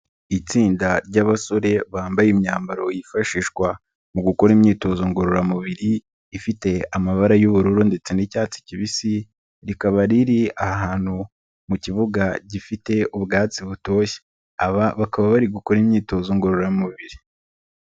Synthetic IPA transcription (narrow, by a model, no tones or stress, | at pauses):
it͡siːndaɾɟaβaso̞ɾe̞βaːmbajimɲaːmbaɾo̞jifaʃiːʃɡwa | muɡuko̞ɾimɲiːto̞zoŋɡo̞ɾoɾamuβiɾiː | fite̞amaβaɾajuβuɾuɾunde̞t͡se̞nicaːt͡si̥ciβisi | ɾikaβaɾiɾiahaɦaːn̥hu | muciβuɡaɟifite̞uβɡaːt͡siβuto̞ːçe̥ | aβaβakaβaβaɾiɡuko̞ɾimɲiːto̞zoŋɡo̞ɾoɾamuβiɾi